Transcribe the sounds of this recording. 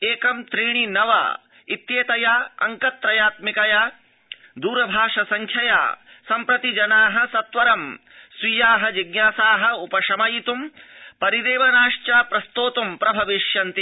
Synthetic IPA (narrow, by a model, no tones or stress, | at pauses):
eːkɐmt̪ɾiːɳ̃inɐʋɐ̰ | it̪jeːt̪ɐjaːɐ̰ŋkɐt̪ɾɐjaːt̪mikɐjaː | d̪uːɾɐbʱaːʂɐsɐŋkʰjɐja̰ː | sɐmpɾɐt̪id͡ʒɐnaːɦɐ̆sɐt̪ʋɐɾɐm | sʋijaːɦɐd͡ʒiɡ̚njaːsaːɦɐ̆upɐʂɐmɐjit̪umpɐɾid̪eːʋɐnaːʂt͡ʃaːpɾɐst̪oːt̪umpɾɐbʱɐʋiʂjɐnt̪i